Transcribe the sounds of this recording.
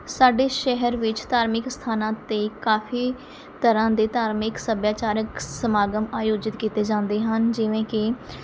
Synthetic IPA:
saːɖeːʃɛɦəɾʋɪt͡ʃt̪aːɾmɪkst̪ʰaːnãːt̪eːkaːpʰiː | t̪əɾãːd̪eːt̪aːɾmɪksəbjaːt͡ʃaːɾəksəmaːɡəmaːjoːd͡ʒɪt̪kiːt̪eːd͡ʒãːnd̪eːɦənd͡ʒɪʋẽːkɪ

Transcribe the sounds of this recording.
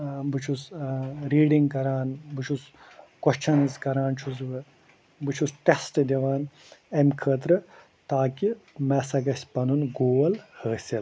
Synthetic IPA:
bɨt͡ʃʰusɾiːɖiŋɡkɐɾaːnbɨt͡ʃʰus | kwɐʃt͡ʃʰɐnɨzkɐɾaːnt͡ʃʰuzʋɨ | bɨt͡ʃʰusʈesʈɨd̪ʲiʋaːn | ɐmʲkʰəːt̪ɾɨ | t̪aːkimɛsɐɡɐsʲpɐnunɡoːɐlhəːsʲil

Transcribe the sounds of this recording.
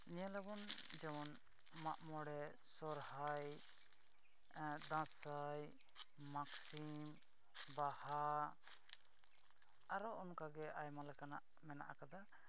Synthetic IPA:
ɲɛlabɔnd͡ʒɛmɔn | maʔmɔɽɛ | sɔɾhaj | d̪ãsajː | aksim | baha | ɾɔʔɔnkaɡɛʔajmalɛkanaʔ | mɛna̰ʔakad̪a

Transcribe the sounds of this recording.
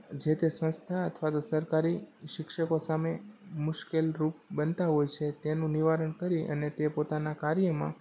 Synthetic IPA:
d͡ʒet̪esə̃ñst̪ʰaət̪ʰʋat̪osəɾkaɾiʃɪkʃəkosamemʊʃkelɾup̚bənt̪aɦojt͡ʃʰet̪enũniʋaɾəɳkəɾiʔə̰net̪epot̪anakaɾjəmã̰

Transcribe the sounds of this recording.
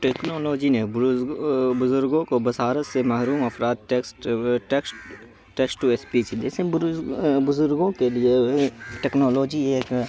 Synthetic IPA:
ʈeːknoːloːd͡ʒine | bʊzʊɾɡõkobɐsaːɾət̪semɐɦɾuːmɐfɾaːd̪̚ʈeksʈʈeks | ʈeːksʈuespisid͡ʒɛːsẽ | bʊzʊɾɡõkelieʈeːknoːloːd͡ʒieːk

